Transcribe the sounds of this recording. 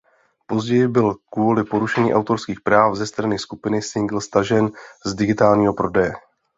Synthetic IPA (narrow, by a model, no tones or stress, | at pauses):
po̞zɟɛjɪbɪlkvuːlɪpo̞ɾuʃɛɲiːʔawt̪o̞ɾskiːxpɾaːfzɛst̪ɾanɪskupɪnɪsɪŋɡl̩st̪aʒɛnzdɪɡɪt̪aːlɲiːɦo̞pɾo̞dɛjɛ